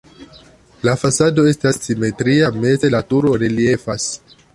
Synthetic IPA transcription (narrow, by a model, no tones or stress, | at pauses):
lafasado̞e̞stasːime̞tɾiame̞ze̞latuɾo̞ɾelie̞fas